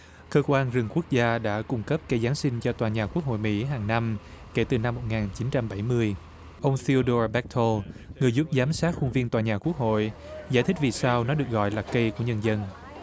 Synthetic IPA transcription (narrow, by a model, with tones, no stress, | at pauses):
kəː˧kwaː˧nzɨ˨˩ŋku˦˥ək̚zaː˧ɗa̰ː˧˥kʊ˧ŋ͡mkə˦˥p̚kə˧jzaː˨˦nsï˧ŋt͡ɕɔ˧t̪waː˨˩ɲaː˨˩ku˦˥ək̚ho̰˧˨jmḭ˧˥ɦaː˨˩ŋna˧m | ke˧˩t̪ɨ˨˩na˧mːo˨˩t̚ŋaː˨˩nt͡ɕi˨˦nt͡ɕa˧mɓa˧˩jmɨ˧əj | ʔə˧wŋ͡mθi˧o˧ɗo˧ɓɛ˦˥k̚t̪ʰo˧ŋɨ˨˩əjzu˦˥p̚zaː˨˦msaː˦˥t̚xu˧ŋvi˧ənt̪waː˨˩ɲaː˨˩ku˦˥ək̚ho̰˧˨jzaː˧˩jt̪ʰi̟˦˥vi˨˩saː˧wnɔ˨˦ɗɨ˨˩ək̚ɣɔ̰˧˨jlaː˨˩kə˧jku˧˩əɲə˧nzə˧n